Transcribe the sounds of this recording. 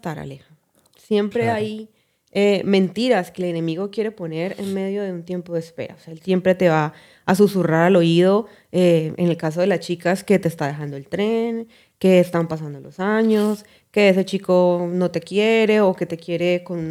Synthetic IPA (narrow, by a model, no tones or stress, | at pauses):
t̪aɾa̰lexa | sje̞mpɾe̞aj | emẽ̞nt̪iɾaske̞ːle̞ne̞miɣo̞kje̞ɾe̞po̞ne̞ɾe̞̰nme̞ðjo̞ðe̞unt̪je̞mpo̞ðespe̞̰ɾa̰oseelsje̞mpɾe̞t̪e̞βa | as̬usuraɾalo̞ið̞o̞ | eene̞lkas̬o̞ð̞e̞last͡ʃikaske̞t̪e̞ːst̪aðe̞xand̪o̞e̞lt̪ɾe̞n | ke̞ːst̪ampas̬and̪o̞lo̞saɲo̞s | ke̞ese̞t͡ʃiko̞no̞t̪e̞kjeɾe̞oke̞t̪e̞kje̞ɾe̞ko̞nun